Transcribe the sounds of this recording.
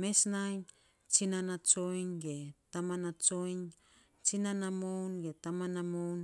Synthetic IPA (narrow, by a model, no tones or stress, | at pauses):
mesnajn | t͡ʃinanat͡ʃo̞jnɡetamanat͡ʃojn | t͡ʃinanamownɡetamanamown